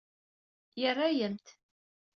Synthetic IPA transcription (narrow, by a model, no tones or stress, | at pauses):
jərˤːajəmt̪